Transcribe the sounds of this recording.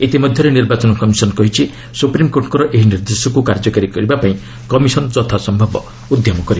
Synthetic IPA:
et̪imɔd̪ʱjɔɾeniɾbat͡ʃɔnɔkɔmisɔnɔkɔɦit͡ʃʰi | supɾimkoɾʈkɔɾɔʔeɦiniɾd̪esɔkukaɾd͡ʒɔkaɾikɔɾibapaĩ | kɔmisɔnd͡ʒɔt̪ʰasɔmbʱɔbɔ | ud̪ʱjɔmɔkɔɾi

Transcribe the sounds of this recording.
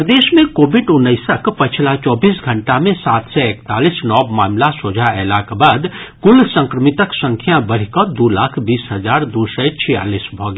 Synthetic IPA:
ɾd̪eːsmẽkoːbʱiɖʊnːəɪsəkpət͡ʃʰlat͡ʃɔːbiːsɡʱəɳʈamẽsaːt̪sɛekt̪aːlisnɔːbmaːmlasod͡ʒʱaɛlakbaːd̪kʊlsə̃ŋkɾəmit̪əksə̃ŋkʰjabəɽ̤ikəd̪ulaːkʰbiːsɦəd͡ʒaːɾd̪usət͡ʃʰija̰ːliːsbʱɔɡe

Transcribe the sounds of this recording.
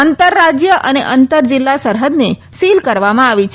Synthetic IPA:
ənt̪əɾːad͡ʒjəʔəneʔənt̪əɾd͡ʒɪlːasəɾɦəd̪ne | silkəɾʋamãaʋit͡ʃʰ

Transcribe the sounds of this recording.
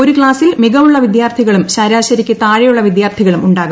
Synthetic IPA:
o̞ɾukɭaːsilmiɣɐmuɭːɐʋid̪jaːrt̪ʰiɣɐɭumɕaːɾaːɕɐɾikʲːɨt̪aːɻejuɭːɐʋid̪jaːrt̪ʰiɣɐɭumuɳɖaːɣu

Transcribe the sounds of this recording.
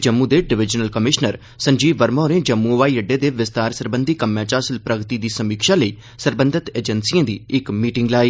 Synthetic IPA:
d͡ʒəmːud̪eːɖɪʋɪd͡ʒnəlkəmɪʃnəɾ | sə̃ɲd͡ʒiːʋəɾmɔːɾẽːd͡ʒəmːũʋaːiːəɖːeːd̪eːʋɪst̪aːɾsəɾbə̃nd̪ʱiːkəmjãːt͡ʃaːsəlpɾəɡt̪iːd̪iːsəmiːkʃaːləiː | səɾbə̃nd̪ʱɪt̪eːd͡ʒənsiãːd̪ḭːɪkmiːʈɪŋɡlaːiː

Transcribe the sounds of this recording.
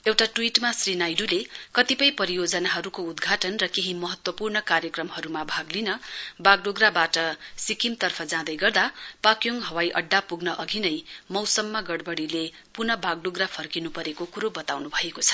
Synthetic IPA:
ewʈaʈuwiʈmasrinajdulekʌt̪ipʌjpʌɾijod͡zʌnaɦʌɾukoud̪ɡʱaʈʌnrʌkeɦimʌɦʌt̪wʌpurnʌkarjʌkrʌmɦʌɾumabʱaɡlinʌbaɡ̚ɖoɡrabaʈʌsikimt̪ʌrpʰʌd͡zãd̪ʌjɡʌrd̪apakjoŋɦʌwajʔʌɖːapuɡnʌʔʌɡʱinʌjmʌwsʌmːaɡʌɽbʌɽile | punʌbaɡ̚ɖoɡrapʰʌrkinupʌɾekokuɾobʌt̪awnubʱʌekot͡sʰʌ̥

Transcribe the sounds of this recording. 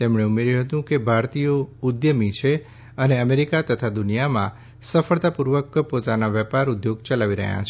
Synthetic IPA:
t̪emɳeumeɾjũɦət̪ũkebʱaɾt̪ijoud̪jəmit͡ʃʰe | əneəmeɾikat̪ət̪ʰad̪unijamã | səfəɭt̪apuɾʋəkpot̪anaʋɛpaɾud̪joɡt͡ʃəlaʋiɾə̰ɦjã̰t͡ʃʰ

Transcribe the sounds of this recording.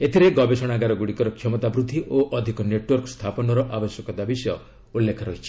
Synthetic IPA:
et̪ʰiɾeɡɔbesɔɽ̃aɡaɾɔɡuɽikɔɾɔkʰjɔmɔt̪abɾud̪ʱːiʔoʔɔd̪ʱikɔneʈwɔɾkɔst̪ʰapɔnɔɾɔʔabɔsjɔkɔd̪abisjɔ | ulːekʰɔɾɔɦit͡ʃʰi̥

